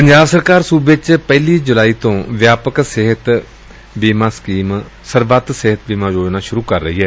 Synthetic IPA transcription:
pəɲd͡ʒaːbsəɾkaːɾsuːbɪt͡ʃpɛːliːd͡ʒʊlaːiːt̪õːʋjaːpəksɪɦət̪ | biːmãːskiːm | səɾʋət̪sɪɦət̪biːmãːd͡ʒoːd͡ʒnaːʃʊɾuːkəɾːəɦiːɦɛː

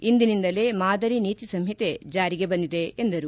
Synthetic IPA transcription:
ind̪inind̪ɐle̞ːmaːd̪ɐɾiniːt̪isɐmɦit̪e̞d͡ʒaːɾiɡe̞bɐnd̪id̪e̞ːnd̪ɐɾu

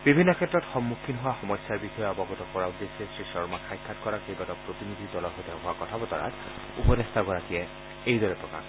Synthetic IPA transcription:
bibʱinːɔkʰɛtːɹɔtxɔmːukʰːinɦʊwaxɔmɔjsːaɹbixɔjɔɔbɔɡɔtɔkɔɹad̪esɛsɹisɔɹmakʰajkʰːatkɔɹakejbatɔpɹot̪inid̪ʱidɔlɔɹɦojtɛɦʊwakɔtʰabɔtɔ̰ɹa̰t | upɔdest̪ʰaɡɔɹakijɛ | ejdɔɹɛpɹɔka̰

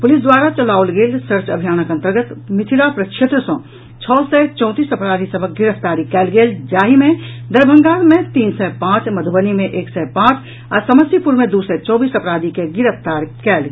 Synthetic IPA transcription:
pʊlɪsd̪waːɾat͡ʃəlaːʊlɡeːlsəɾt͡ʃəbʱijaːnəkɐ̃nt̪əɾɡət̪mɪt̪ʰiɾapɾəkʃet̪ɾəsɔ̃ | t͡ʃʰɔːsɛt͡ʃɔ̃ːt̪iːsɐpɾaːd̪ʱisəbʱək̚ɡɪɾəft̪aːɾikɛːlɡeːld͡ʒaːɦimẽd̪əɾbʱə̃ŋɡaːɾmẽt̪iːnsɛpãːt͡ʃməd̪ʱubənimẽʔeːksɛpãːt͡ʃ | ɔsəməsjipuɾmẽd̪usɛt͡ʃɔːbiːsɐpɾaːd̪ʱikeɡɪɾəft̪aːɾkɛːl

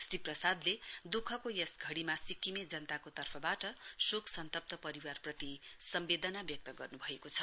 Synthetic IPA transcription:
sriprʌsad̪led̪ukʰʌkojʌsɡʱʌɽimasikimed͡zʌnʌt̪akot̪ʌrpʰʌbaʈʌsuksʌnt̪ʌp̚t̪ʌpʌɾiwarprʌt̪isʌmbed̪ʌnabjʌk̚t̪ʌɡʌrnubʱʌekot͡sʰʌ

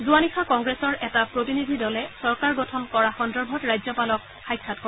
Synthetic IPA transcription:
zuanixʰakɔŋɡɹɛsɔɹɛtapɹotinid̪ʱidɔlɛsɔɹkaɹɡɔtʰɔmkɔɹaxɔndɔɹbʱɔtɹajzɔpalɔk | xajkʰːatko

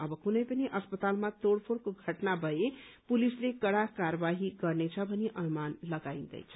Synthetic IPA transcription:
ʌbʌkunəjpəniʔəspət̪almãt̪oɽpʰoɽkoɡʱəʈnabʱʌje | pulislekəɽakaɾəbaɦiɡʌɾnet͡ʃʰʌbʱʌniʔənumanləɡaind̪ə̰jt͡ʃʰə̥

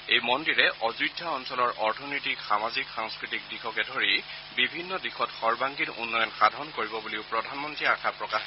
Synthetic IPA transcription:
ejmɔndiɹɛʔɔzɹudʱːaɔnsɔlɔɹʔɔɹtʰɔnɔtikxamazikxaŋskɹitik̚dixɔkɛdʱoɹi | bibʱinːɔdixɔtxɔɹbaŋkinṵnːɔjɔnxadʱɔɔnkoɹibɔbuliʊpɹɔdʱanmɔntɹiakʰapɹɔkax

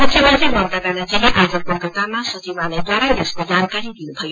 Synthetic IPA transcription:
pʌt̪ʰjemʌnt̪ɾebʌnt̪abaɽat͡siɦĩʔad͡zʌkokʌt̪amasʌt͡sibalajd̪waɾajd̪eskod͡zankaɾid̪inupʰʌjo

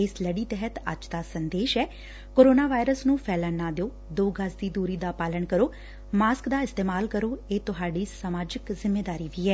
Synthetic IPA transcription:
ɪsləɖiːt̪ɛɦət̪ə̰d͡ʒd̪aːsənd̪eːʃɛː | koːɾoːnaːʋaːɪɾəsnũːpʰɛːlənaːd̪eoː | d̪oːɡəsd̪iːd̪uːɾiːd̪aːpaːləɳkəɾoː | maːskd̪aːɪst̪eːmaːlkəɾoːeːt̪ʊɦaːɖiːsaːmaːd͡ʒɪkzɪmːeːd̪aːɾiːʋiːɛː

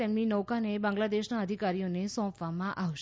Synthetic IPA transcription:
emninəʋkanebãŋɡlad̪eʃnaəd̪ʱikaɾijonesɔ̃pʋamãʔaʋʃ

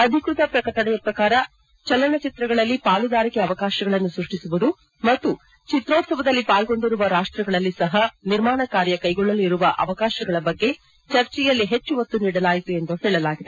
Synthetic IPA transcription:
ɐd̪ʱikɾut̪ɐpɾɐkɐʈɐɳɛjɐpɾɐkaːɾɐ | t͡ʃɐlːɐɳɐt͡ʃit̪ɾɐɡɐɭɐlːipaːlud̪aːɾikeɐʋɐkaːʃɐɡɐɭɐnːusɾuʂʈisuʋud̪u | mɐt̪ːu | t͡ʃit̪ɾoːt̪sɐbɐd̪ɐlːipaːlɡo̞ɳɖiɾuʋɐɾaːʂʈɾɐɡɐɭɐlːisɐɦɐniɾmaːɳɐkaːɾjɐkɐjɡɔɭːɐliɾuʋɐʔɐ̰ʋɐkaːʃɐɡɐɭɐbɐɡːe̞ | t͡ʃɐɾt͡ʃɛjɐlːiɦet͡ʃːuʋot̪ːuniːɽɐlaːjit̪ue̞nd̪uɦɛːɭɐlaːɡid̪e

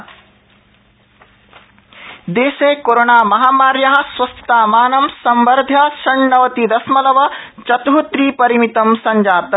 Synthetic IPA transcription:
d̪eːseːkoɾonaːmɐɦaːmaːɾjɐɦɐ̆sʋɐst̪ɐ̥t̪aːmaːnɐmsɐmbɐɾd̪ʱjaʃɐɳːɐʋɐt̪id̪ɐsmɐlɐʋɐt͡ʃɐt̪ɦut̪ɾiːpɐɾimit̪ɐmsɐɲd͡ʒaːt̪

